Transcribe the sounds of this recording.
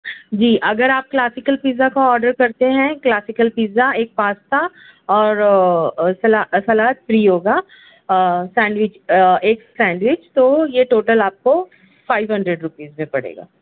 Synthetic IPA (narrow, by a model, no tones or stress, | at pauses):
d͡ʒiːʔɐɡəɾaːp̚klaːsɪkəlpiːzakaɔːɾɖəɾkɐɾt̪eɦɛ̃klaːsɪkəlpiːzaeːk̚paːst̪a | ɔːɾ | sɐlasɐlaːt̪̚fɾiːɦoːɡaː | sɛ̃ːɳɖʋɪt͡ʃeːksɛ̃ːɳɖʋɪt͡ʃt̪ojeʈoːʈəlaːp̚ko | faːɪʋɦɐ̃ɳɖɾeɖɾʊpiːzmẽpɐɽ̤ḛːɡa̰ː